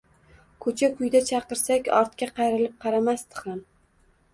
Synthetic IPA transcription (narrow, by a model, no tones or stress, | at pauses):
kʰɵt͡ʃʰakʰʊjd̪at͡ʃʰɑqɨɾsakʲɒɾt̪kʲaqʰɑjɾɪlɪp̚qʰɑɾamast̪ɨ̥χan